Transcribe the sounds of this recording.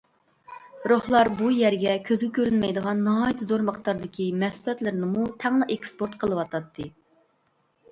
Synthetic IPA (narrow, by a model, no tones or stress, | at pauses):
ɾoχlˠɑɾbujɛɾɡʲɛkʲʰøzɡʲɛkʲʰøɾynmɛjd̪əʁɑnːɨɦɑjt̪ʰɨzoɾməχt̪ɑɾd̪ɪkʲʰimɛsulɛt̪lɪɾnɪmut̪ʰɛŋlˠɑʔekspoɾt̪̚qʰəlˠɨwɑt̪ɑt̪ʰːɨ